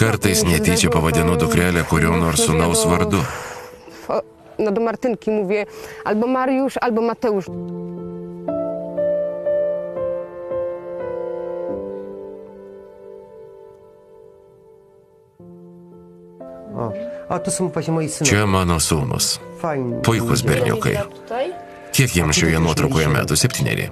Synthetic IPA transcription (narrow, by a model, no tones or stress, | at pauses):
kɐɾt̪ɐɪsnʲɛt̪ʲiːt͡ʃʲɛpɐʋɐd̪ʲɪnʊd̪ʊkɾʲæːlʲɛkʊɾʲoːnoːɾsunɐʊsʋɐɾd̪ʊ | fɔ | nad̪ɔmaɾt̪ʲɪnkʲimuvʲjɛalbɔmaɾjuʃalbɔmat̪ɛuʃ | ɔ̰ɔt̪ʊsumfaʃʲɛmɔisɨt͡ʃʲɛmɑːnɔsuːnʊ̰sfajnpʊɪkʊs̬bʲɪɾʲnʲʊ̰kɐ̰ɪ | j | kʲiɛkjimʃʲɛjʲɛnuɔt̪ɾɐʊkoːjɛmʲæ̰ːt̪ʊsʲɛpʲt̪ʲiːnʲɛ̰lʲḭː